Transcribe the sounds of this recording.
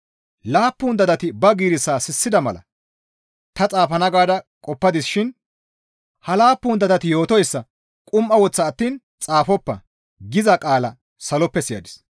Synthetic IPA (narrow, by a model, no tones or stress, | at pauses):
laːpːuːnd̪ɐd̪ɐt̪ɪbɐɡiːɾɪsːaːsɪsːɪd̪ɐmɐ̰lɐ̰ | t̪ɐt͡sʼaːfɐnɐɡaːd̪ɐkʼɔpːɐd̪ɪsʃɪn | hɐlaːpːʊːnd̪ɐd̪ɐt̪ɪjo̞ːt̪ɔjsːɐ | kʼʊmʔɐwɔt͡sːɐːt̪ːiːn | t͡sʼaːfɔpːɐ̰ | ɡɪzɐkʼaːlɐ̰ | sɐlɔpːɛsɪjɐ̰d̪ɪs